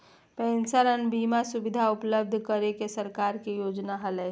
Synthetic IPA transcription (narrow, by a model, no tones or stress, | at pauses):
pɛ̃ːnsəɾənbiːmasʊbɪd̪ʱaʊpləb̚d̪ʱkəɾekesəɾkaːɾkijoːd͡ʒnaɦəlɛ